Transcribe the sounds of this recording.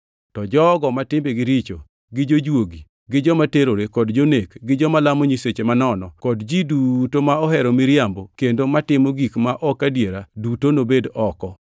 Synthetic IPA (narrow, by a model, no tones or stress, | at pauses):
tɔd͡ʒɔɡɔmatɪmbeɡɪɾit͡ʃo | ɡɪd͡ʒod͡ʒwoɡi | ɡɪd͡ʒɔmateɾoɾekɔdd͡ʒonekɡɪd͡ʒɔmalamoɲiset͡ʃemanɔnɔkɔdd͡ʒidutomaɔɦɛɾɔmɪɾjambokendomatɪmɔɡikmaʔɔkadjeɾadutonobedɔkɔ